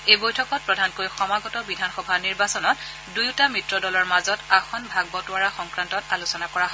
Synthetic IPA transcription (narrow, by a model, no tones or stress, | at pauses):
ejbojtʰɔkɔt̚pɹɔdʱankojxɔmaɡɔtɔbidʱanxɔbʱaniɹbasɔnɔt | dujtamɹitɹɔdɔlɔɹmazɔtaxɔnbʱaɡ̚bɔtʊaɹaxɔŋkɹantɔtalusɔnakɔɹaɦɔ